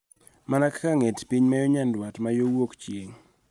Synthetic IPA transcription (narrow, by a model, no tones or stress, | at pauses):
manakkaŋetpiɲmajoɲandwatmajowokt͡ʃjeŋ